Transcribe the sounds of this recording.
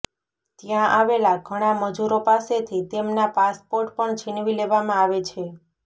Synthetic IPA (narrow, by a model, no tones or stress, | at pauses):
t̪jãʔaʋelaɡʱəɽ̃aməd͡ʒuɾopaset̪ʰit̪emnapaspoɾʈpəɳd͡ʒʰinʋileʋamãaʋet͡ʃʰe